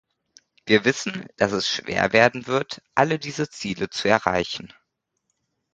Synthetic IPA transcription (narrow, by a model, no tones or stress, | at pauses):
v̥iːɐvɪsn̩d̥asɛsʃv̥ḛːɐveːɐdn̩vɪɐtʔalədiːzət͡siːlət͡suɛɐʁa̰ɪçn̩